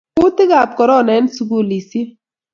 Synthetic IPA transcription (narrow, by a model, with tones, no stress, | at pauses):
ʊ˦tɪ˦ɡa˨p̚kɔ˨ɾɔ˦˨nɛ˨˦nsu˨˦ɡu˦˨li˨si˦